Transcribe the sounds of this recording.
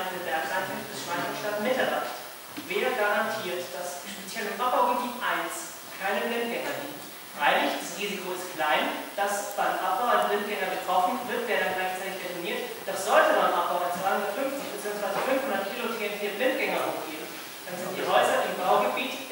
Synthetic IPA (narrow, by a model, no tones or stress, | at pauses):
dəbɛɐksaɪntʰɪfd̥əsʃv̥aɪəʃtatmɪtɛɐdaχt | veːɐɡaʁantʰiːɐtd̥asʃpet͡sjɛlɪmʔap̚b̥aʊɡəbiːtʔaɪns | kʰaɪnəvɪnt̚ɡ̥ɛŋɐdiː | fʁaɪlɪçd̥asʁiːzikʰoɪstklaɪnd̥asv̥anmʔap̚b̥aʊadnvɪnt̚ɡ̥ɛŋɐbətʁ̥ɔfn̩vɪɐtv̥eːɐɾanɡlaɪçt͡saɪtɪçd̥efiniːɐtd̥asz̥ɔltəmanmʔap̚b̥aʊat͡sv̥aɪʊhʊndɐtfʏnft͡sɪçb̥ət͡siːʊŋsv̥aɪzəfʏnfhʊndɐtkʰiːlotʰenfʰiːvɪnt̚ɡ̥ɛŋɐhoːxɡ̥eːbm̩ | d̥anzɪntd̥iːɦɔʏzɐʔɪmbaʊɡəbiːt